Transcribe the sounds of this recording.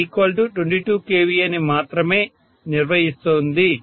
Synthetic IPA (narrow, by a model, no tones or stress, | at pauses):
iːkʋɐlʈuʈʋeɳʈiːʈuːkeːʋiɐnimaːt̪ɾɐme̞ː | niɾʋɐɦist̪oːnd̪i